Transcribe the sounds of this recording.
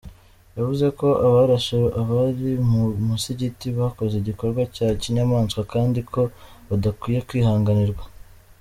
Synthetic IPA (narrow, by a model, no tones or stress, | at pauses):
javuze̞ko̞ʔaβaɾaʃeɾoʔaβaɾimumuseɟitiβako̞zeɟiko̞ɾɡwacaciɲamaːnskwakaːndikʰo̞βadakwiːjekwiːhaːŋɡaniɾɡwa